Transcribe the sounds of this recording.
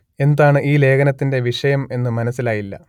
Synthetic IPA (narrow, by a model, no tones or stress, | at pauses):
e̞nd̪aːɳɨʔiːle̞ːkɐnɐt̪ːinde̞ʋiʂɐjɐme̞nːɨmɐnɐsːilaːjilːɐ̰